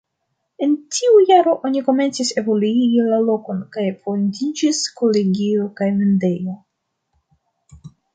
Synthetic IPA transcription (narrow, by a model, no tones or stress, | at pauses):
e̞ntʰiujaɾo̞ʔo̞niko̞me̞nt͡sise̞vo̞luiɡilalo̞ko̞nkajfondid͡ʒiskoleɡiokajmende̞jo